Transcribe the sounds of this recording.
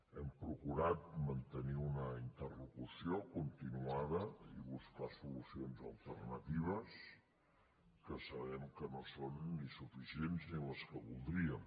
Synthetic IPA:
ɛmpɾukuɾat̪̚mənt̪əniunəint̪ərlukusiokunt̪inuaðəiβuskasulusionzəlˠt̪ərnət̪iβ̞əs | kəsəβɛmkənosonːisufisienzniləskəβulˠd̪ɾiəm

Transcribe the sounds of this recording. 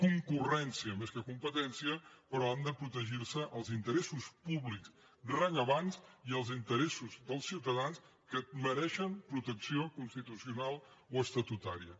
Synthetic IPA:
kuŋkurɛnsiəmeskəkumpət̪ɛnsiəpəɾɔand̪əpɾut̪əʒiɾsəʔəlˠzint̪əɾɛsuspuβliks | rəɲəβanziəlˠzint̪əɾɛsuzðəlˠsiwt̪əðans | kəməɾɛʃəmpɾut̪əksiokunst̪it̪usiunalˠoəst̪ət̪ut̪aɾiə

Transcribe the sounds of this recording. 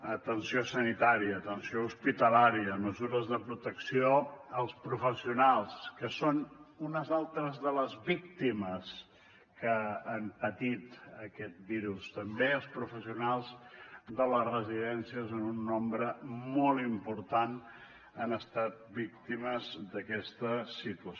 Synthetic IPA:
ət̪ənsiosənit̪aɾiəːt̪ənsiouspit̪əlaɾiəməzuɾəzðəpɾut̪əksioəlˠspɾufəsiunalˠskəsonunəzalˠt̪ɾəzðələzβik̚t̪iməs | kəampət̪it̪əkɛt̪̚biɾust̪əmbeəlˠspɾufəsiunalˠzðələrəziðɛnsiəsonunːɔmbɾəmɔlˠimpuɾt̪an | ənəst̪at̪̚bik̚t̪iməzðəkɛst̪əsit̪uə

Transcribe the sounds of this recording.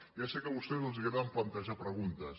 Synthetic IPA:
jasekəβust̪ɛzəlˠziɣɾaðəmplənt̪əʒapɾəɣunt̪əs

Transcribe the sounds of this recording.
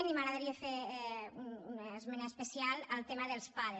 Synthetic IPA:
mimaɣɾaðaɾiafeɾununəːzmɛnaspesijaləlt̪emaðəlˠspaðe

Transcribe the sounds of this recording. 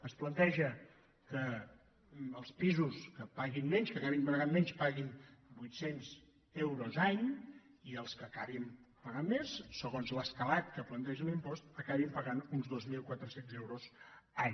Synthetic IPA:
əsplənt̪ɛʒə | kə | əlˠspizuskəpaɣinːɛɲʃkəkaβimpəɾɣammɛɲspaɣinbujt̪senz | ewɾozaɲ | iəlˠskəkaβimpəɣamːesːəɣonzləskəlat̪̚kəplənt̪ɛʒəlimpɔst̪əkaβimpəɣanunzðozmilˠkwat̪ɾəsenzewɾozaɲ

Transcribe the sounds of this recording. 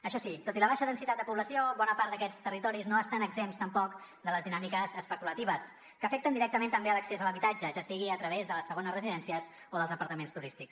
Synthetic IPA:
əʃɔsit̪ot̪iləβaʃəðənsit̪at̪d̪əpuβləsioβɔnəpaɾt̪d̪əkɛt͡st̪ərit̪ɔɾiznoəst̪anəɡzemst̪əmpɔkd̪ələzðinamikəzəspəkulət̪iβ̞əs | kəfɛk̚t̪ənd̪iɾɛk̚t̪əmẽnt̪əmbeələksezələβit̪ad͡ʒəʒasiɣiət̪ɾəβezðələsːəɣonəzrəziðɛnsiəz | oðəlˠzəpəɾt̪əmenst̪uɾist̪iks

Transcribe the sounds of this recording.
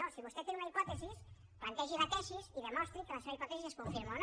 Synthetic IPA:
osiβust̪ɛt̪eɾunaipɔt̪esis | plant̪ɛʒiβat̪ɛʃiziðemɔst̪ɾikelaseβaipɔt̪esiseskuɱfiɾmawn

